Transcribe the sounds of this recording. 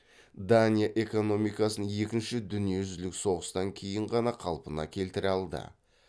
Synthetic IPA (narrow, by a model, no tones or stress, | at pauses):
d̪anʲijaʔe̞ko̞no̞mijkɑsənje̞kʲɪnʃɪd̪ʏnije̞ʒʏzlɪkso̞ʁəst̪ɑŋkʲʰe̞jɪɴʁɑnɑqʰɑlˠpənɑ̰kʲʰe̞lt̪ɪɾɑlˠd̪ə̰